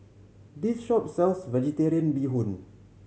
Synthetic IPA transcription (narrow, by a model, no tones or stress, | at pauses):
disʃɔpsɛlsvɛd͡ʒɛtiɾiə̃nbiɦũn